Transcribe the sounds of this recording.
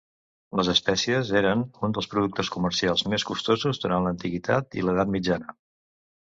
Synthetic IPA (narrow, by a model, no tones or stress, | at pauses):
ləzəspɛsiəzeɾənund̪əlˠspɾuðuk̚t̪əskumərsialˠzmeskust̪ozuzðuɾantlənt̪iɣit̪ʰa̰t̪ḭləð̞at̪mid͡ʒanə